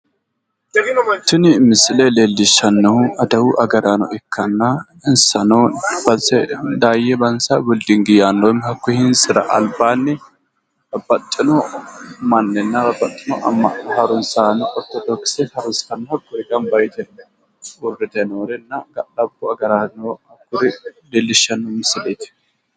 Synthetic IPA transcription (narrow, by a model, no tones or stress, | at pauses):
t̪ːɪnɪmɪsɪlɛleːlːɪʃːɐnːɐʊɐd̪ɐwʊʔɐɡɐɾanɔ̰ʔɛkʰːɐnːɐ | ɪnsɐnɔb̥ɐnsɛd̪aːjɛbɐnsɐbʊld̪ɪŋɡɪjaːnːɔwmhɐkːʊhɪnsɪɾɐ̰ʔɐlbaːnːɪ | ɐbɐt̪ʼːɪnɔmɐnːɛnːɐbɐbɐt̪ʼːɪnɔʔɐ̰mːɐʔnhɐɾʊnsaːnɐkʼɔt̪ːɛd̪ɔkɪ̥sɛhɐɾʊnskɐnːhɐkːɔɪkʼɐmbɐjt̪ɛ | ʊrːɪt̪ɛnoːɾɛnːɐɡɐɗɐbːʊɐɡɐɾaːnoɐkːʊɾɪbelːɪʃɐnːɔmɪsɪleːt̪ːɪ̥